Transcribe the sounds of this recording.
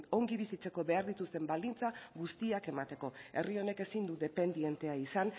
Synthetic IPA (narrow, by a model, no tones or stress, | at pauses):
o̞ŋɡiβisit͡se̞ko̞βe̞aɾðit̪ust̪e̞mbald̪int͡saɣust̪iake̞mat̪e̞ko̞e̞̰rio̞ne̞ke̞sind̪uðe̞pe̞nd̪ie̞nt̪e̞aisan